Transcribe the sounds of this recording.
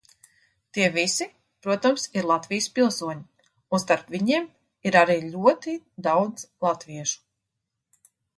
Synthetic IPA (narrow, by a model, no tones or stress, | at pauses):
t̪iɛvisi | pɾuɔt̪amsiɾlˠat̪vijspilˠsuɔɲi | unst̪aɾpvʲiɲiɛm | iɾaɾiːlʲuɔt̪id̪awd̪zlˠat̪viɛʃu̥